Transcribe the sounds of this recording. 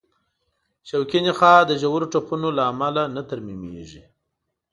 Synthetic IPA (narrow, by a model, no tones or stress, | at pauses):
ʃawkinixɑd̪əʒawuɾoʈ͡ʂapunolaːmalanat̪aɾmimḛʐi